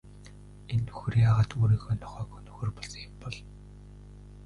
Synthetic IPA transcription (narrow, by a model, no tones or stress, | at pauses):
enːɵ̥xɵ̆rjaːʁaːt̪uːɾiːɣoːnɔχœːkɔnɵxɵ̆rpɔɮsɞ̆ŋjʊ̆mpɔɮ